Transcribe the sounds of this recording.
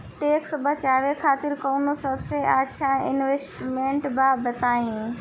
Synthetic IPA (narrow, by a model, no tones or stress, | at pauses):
ʈeːksbɐt͡ɕaːʋekʰaːt̪ɪɾkoːnosɐbseaːtːʃʰãɪnʋeːsʈmẽːɳʈbaːbɐt̪aːĩ